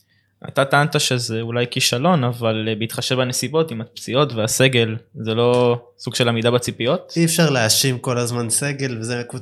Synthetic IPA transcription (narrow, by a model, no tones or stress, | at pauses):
ʔa̰tat̪aantaʃe̞zeulajkiʃalo̞navalbeit̪χaʃevbanesibo̞timapt͡sio̞tvease̞ɡe̞lzelo̞ | suɡʃe̞lamidabat͡sipio̞tiefʃaʁleaʃimko̞lazmanse̞ɡe̞lvezeku